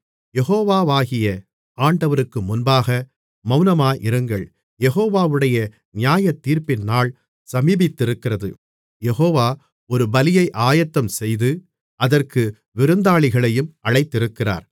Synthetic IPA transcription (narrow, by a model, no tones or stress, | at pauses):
jɛɣoːʋaːʋaːɣɪjɐ | aːɳɖɐʋɐɾɯkːɯmʊnbaːɣɐ | mɐʊnɐmaːʔɪɾɯŋɡɐɭ | jɛɣoːʋaːʋɯɽɐjɐ | nɪjaːjɐt̪ːiːɾpɪnːaːɭ | sɐmiːbɪt̪ːɪɾɯkːɪrɐðɯ̰ | jɛɣoːʋaː | ɔɾɯbɐlɪjɐɪʔaːjɐt̪ːɐmsɛjðɯ | ɐðɐrkɯ | ʋɪɾɯnd̪aːɭɪɣɐɭɐjɯmʔɐɭɐɪt̪ːɪɾɯkːɪra̰ːɾ